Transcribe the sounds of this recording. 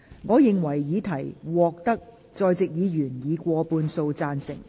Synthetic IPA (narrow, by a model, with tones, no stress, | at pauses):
ŋɔː˨˧jɪ˨ŋwɐ˨˩jjiː˨˧t̪ʰɐ˨˩jwɔː˨˧k̚t̪ɐ˥k̚ | t͡sɔː˧jt͡sɪ˨k̚jiː˨˧jyː˨˩njiː˨˧kʷɔː˧puː˧nso˧wt͡saː˧nsɪ̰˨˩ŋ